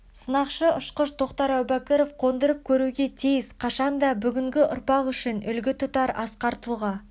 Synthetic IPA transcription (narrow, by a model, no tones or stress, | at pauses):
sənɑqʃəʊʃqəʃd̪o̞qt̪ɑɾæwbækʲeɾo̞fqʰo̞nd̪əɾəp̚kʲʰɵɾuɡʲe̞t̪ʰijɪsqʰɑʃɑnd̪ɑbʏɡʲɪŋɡʲɪʔʊ̰ɾpɑqʏʃɪnʏlɡʲɪt̪ʰʊt̪ɑɾɑ̰sqɑɾt̪əlˠʁɑ